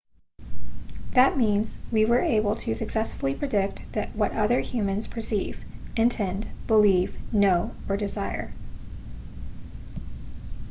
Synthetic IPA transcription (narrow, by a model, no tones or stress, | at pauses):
ðɨt̚mĩnz̥wiwə˞eɪbl̩ˠtʰɨsɨksɛsfl̩ˠipʰɹ̥ɨdɪk̚t̚ðɨʔ̚wʌɾʌðə˞hjʉmɨ̃nz̥pʰə˞siv̥ɨ̃ntʰɛ̃ndb̥əlivnoʊə˞dɨzaɪə̰˞